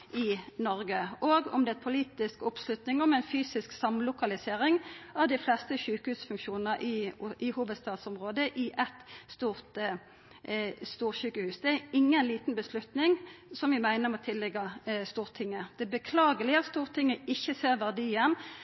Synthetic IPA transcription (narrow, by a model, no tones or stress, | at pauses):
ʔɪnɔɾɡəʔoːɡɔ̰md̪ɛæt̪pʰʊliːt̪ɪskʊpslʉt̪nɪŋɔmɛɪnfyːsɪsksɑmlʊkɑlɪseːɾɪŋɑʋd̪ɪflɛst̪əçʉːkəhʉːsfʉŋkʃuːnəɾʔɪɪhuːʋəd̪st̪ɑːt̪sɔmʁoːd̪əʔɪʔɛt̪st̪uːʁt̪ | st̪uːɾɕʉːkəhʉːsd̪ɛæɾɪŋːənliːt̪n̩bəslʉt̪nɪŋsɔmʋɪmæɪnəmɔt̪ʰɪlːɛɡɑst̪uːʁt̪ʰɪŋːəd̪̥ɛbəkʰlɑːɡəlɪɑtst̪uːʁt̪ʰɪŋːəɪçːəseːʁʋæʁd̪iːən